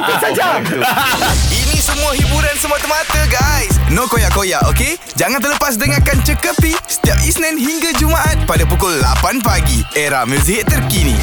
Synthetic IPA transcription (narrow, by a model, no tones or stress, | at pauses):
sad͡ʒa | inĩsəmũaɦibuɾansəmuat̪əmat̪əɡajsnõkojaʔkojaʔoke | d͡ʒaŋant̪̬ərləpas̬dəŋakant͡ʃəkəpisə̥t̪iap̚isnɛ̃nhiŋɡad͡ʒumaʔat̪̚padapukʊlːa̰panpaɡieɾahmə̃s̬iɦɪt̪t̪ːərkinḭ̃